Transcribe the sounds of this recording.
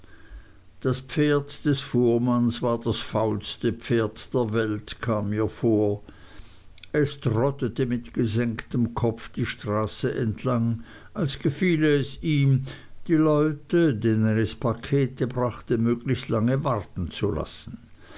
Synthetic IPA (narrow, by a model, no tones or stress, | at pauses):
d̥aspfeːɐtd̥ɛsfoːɐmansvaːɐd̥asfaʊlstəfeːɐtd̥eːɐvɛltkʰaːmːiːɐfoːɐ | ʔɛstʁɔtətəmɪtɡ̥əzɛŋktəmkʰɔfd̥iːʃtʁ̥aːsəʔɛntʰlaŋ | alsɡ̥əfiːlɛsiːmd̥iːlɔʏtədeːnənɛspʰakʰeːtəbʁaχtəmøːɡlɪçstlaŋəvaʁtn̩t͡sula̰sn̩